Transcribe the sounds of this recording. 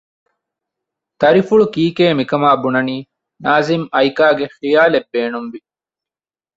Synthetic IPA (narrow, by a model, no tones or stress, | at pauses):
t̪ɐɾifuɭukiːkeːmikɐmaːbunɐniː | naːzimɐjkaːɡexijaːlebːeːnumʋi